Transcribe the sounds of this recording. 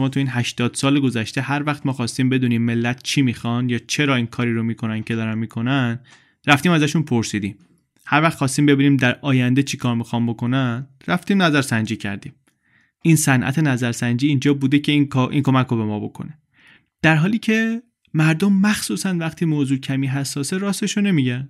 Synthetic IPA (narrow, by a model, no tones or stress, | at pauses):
omɒːt̪ʰuiːnɦæʃt̪ɒːd̪̥sɒːleɡo̞zæʃt̪e̞hæɾvæxt̪mɒːxɒːst̪iːmbe̞d̪uːniːmːe̞lːæt̪̚ʰt͡ʃʰiːmiːxɒnjɒːt͡ʃʰe̞ɾɒːinkʰɒːɾiːɾomiːkʰonæncʰe̞d̪ɒːɾænmiːkʰo̞næn | ræft̪iːmæzæʃunpʰoɾsiːd̪iːm | hæɾvæχt̪χxɒːst̪iːmbe̞biːniːmd̪æɾʔɒːjænd̪e̞t͡ʃʰikʰɒːɾmixɒnbo̞ko̞næn | ræft̪iːmnæzæɾsænd͡ʒiːcʰæ̰ɾd̪ḭːm | insænʔæ̰t̪ʰe̞næzæɾsænd͡ʒiːiːnd͡ʒɒːbuːd̪ecʰe̞inkʔḭːŋkʰo̞mækobe̞mɒːbo̞kʰo̰ne̞ | d̪̥æɾɦɒːliːcʰe̞ | mæɾd̪omːæxsuːsænvæxt̪ʰiːmoːzuːcʰæmiːɦæsːɒːseɾɒːst̪eʃone̞miːɟænd̪̥